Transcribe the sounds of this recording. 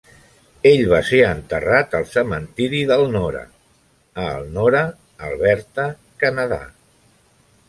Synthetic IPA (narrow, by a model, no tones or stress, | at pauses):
eʎβaseənt̪ərat̪əlˠsəmənt̪iɾiðəlˠnɔɾə̰ | əlˠnɔɾə | əlˠβɛɾt̪ə | kənəða̰